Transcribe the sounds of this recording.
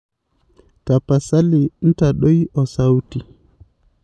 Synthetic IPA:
ta˨pa˨sa˦li˨n̩˦ta˨ɗo˦jɔ˨sa˦wti˨

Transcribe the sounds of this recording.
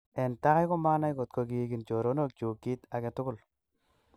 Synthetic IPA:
ɛ˨nta˦ka˦jko˦ma˦na˦jko˨t̚ko˨ki˨ki˨nt͡ʃo˨ɾo˨˦no˦˨k̚t͡ʃo˨ki˦ta˨kɛ˨tʊ˦kʊ˨l

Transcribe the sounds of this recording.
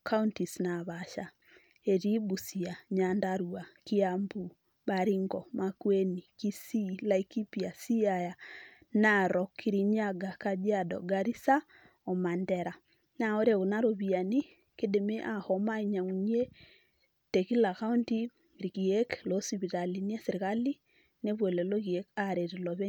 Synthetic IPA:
ka˦unti˨snaβaʃa˨ | e˨ɾi˦bu˨si˨a˨ɲandaɾua˨ki˦ambu˨ | baɾi˦ŋɡɔmakwe˦ni˨ki˦si˦laiki˦pi˨a˨si˦aja | naɾɔkʰi˦ɾiɲaɡakad͡ʒi˦adɔ̰ɡaɾi˦sa | ɔ˨ma˨ndɛɾa˨ | na˨o˦ɾe˨ɣo˨na˦ɾo˨βi˨a˨ni˦ | ke˦de˨me˦ʔa˨hɔma˦i˦ɲa˨ŋu˨ɲ˦e˦ | tɛ˨ki˦laka˦u˦nti˦ | ɾi˨ɣi˨ɛklo˦si˨βi˨tali˨ni˦a˦seɾi˨ka˦li˦ | ne˦βwɛ˨lɛ˨lo˦ɣi˨ɛ˦kaɾe˨ɾe˨lɔβɛ˦

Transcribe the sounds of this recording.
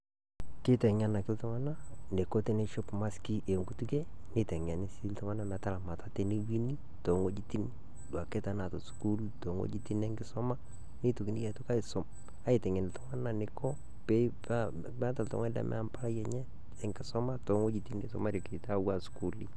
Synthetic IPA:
kɪ˦tɛ˨ɲa˦na˨kɪ˦ltɔ˦ŋa˦na˦ne˨ko˦te˦ne˦ʃo˦pma˦ski˦ʔe˨ŋɡu˦tu˦ke˦ | ne˦tɛ˨ŋa˨ni˦si˦ltɔ˦ŋa˦na˦na˨ta˦˨la˨ma˨ta˦te˦ni˦wi˦ni˦ | to˨ŋo˦d͡ʒi˦ti˦n | dwa˨ke˦ta˨na˨to˨su̥˨ku˦lto˨ŋo̰˦d͡ʒi˦ti˦nɛ˦ŋɡɪ˦sɔ˦ma˦ | ne˦to˨ki˨ni˦jɛ˨to˦ka˦ɪ˨so˨m | a˦i˨tɛ˨ŋɛ˨nɪ˨tɔ˦ŋa˦na˨ne˨kɔ˦ | pɛ˦pa | mɛ˦ta˨ltɔ̰˨ŋa˦lɛ̰˨mʔɛ̰˦a˦mpa˦ɾa˦jɛ˨ɲɛ˦ | ɛ˦ŋɡɪ˦sɔ˦ma˦to˨˦ŋo˦d͡ʒi˦ti˦ne˨sɔ̰˦ma˦ɾi˨ke˨ta˦wa˦˨sku˨li˦

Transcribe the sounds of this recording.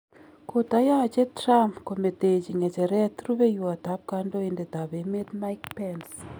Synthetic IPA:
ko˨ta˦jɔ˦˨t͡ʃe˦tɾa˦mpko˨me˨te˨d͡ʒi˨ŋɛ˨t͡ʃɛ˨ɾɛ˦t̪ɾu˦be˦ju˨a˨ta˨˦p̚ka˦ndo˦e˨nde˨t̪a˨be˨me˦t̪ma˦jkpɛns

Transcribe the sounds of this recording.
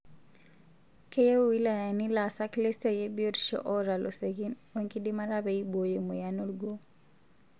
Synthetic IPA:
ke˦je˦u˦wi˦la˨ja˨ni˦la˨sa˦kle˦ste˨je˦bi˦o˦ɾʃɔ̰˦ʔɔ˦ɾa˨lʔo˨se˨ɡi˦nwe˦ŋki˦di˦ma˦ɾa˦bɛ˨i˦bo˨je˨mo˨ja˦nu˦lɡo˦

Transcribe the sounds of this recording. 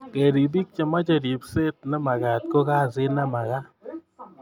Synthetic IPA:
kɛ˨ɾi˨bi˦k̚t͡ʃa˨ma˦t͡ʃa˨ɾi˨pse˦t̚na˦ma˨ɡa˨t̪̚ko˦ka˦˨sɪ˦na˦ma˨ka˦

